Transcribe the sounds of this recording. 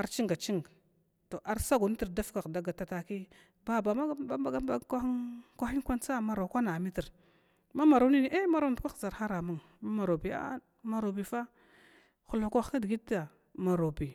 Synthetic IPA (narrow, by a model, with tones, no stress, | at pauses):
a˨ɾt͡ʃi˦ŋɡa˨t͡ʃi˦ŋ˨ | to˨ʔa˦ɾsa˦ɡu˨ni˦ti˨ɾda˦fka˨kda˨ɡa˨ta˦ta˨ki˦ | ba˦ba˨ma˦ba˦ba˨˦ɡa˦ba˦˨kʷa˦ŋkʷa˦i˦ŋkʷa˦nt͡sa˦ma˨ɾa˨kʷa˦na˨mi˦ti˨ɾ | ma˦ma˨ɾa˦wni˦ni˨˦ʔe˦ma˦ɾa˦˨dkʷa˦xza˨ɾxa˦ɾa˨ma˦˨ŋ | ma˦ma˨ɾo˨bi˨a̰˦ | ma˨ɾo˨bi˨fa˦ | xu˨lu˨kʷa˦xa˦di˨ɡi˦ta˨ | ma˨ɾo˨bi˨